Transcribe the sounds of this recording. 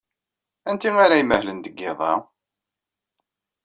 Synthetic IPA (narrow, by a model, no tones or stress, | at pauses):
ænt̪iŋaɾæjiməhlənd̪əɡːɪðˤɑ̰